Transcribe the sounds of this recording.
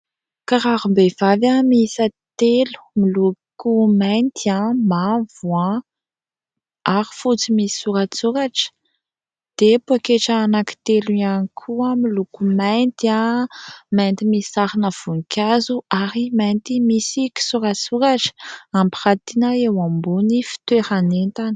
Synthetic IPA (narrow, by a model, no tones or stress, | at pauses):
kaɾaɾumbev̥avamiisat̪elu̥milukumajnt̪iamavuã | aɾifut͡simisi̥suɾat͡suɾaʈ͡ʂə̥ | d̪̥epoakeʈ͡ʂaːnaki̥t̪eluanikʰuamilukumajnt̪a | majnt̪imisaɾinəv̥unikʰʲazuaɾimajnt̪imisiki̥suɾat͡suɾaʈ͡ʂə̥ampirat̪inaewambunifi̥t̪weɾanent̪ani̥